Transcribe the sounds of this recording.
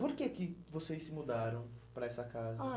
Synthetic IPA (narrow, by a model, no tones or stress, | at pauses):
poɾkekɪvosejsɪmud̪aɾɐ̃w̃pɾɐɛsɐkazɐ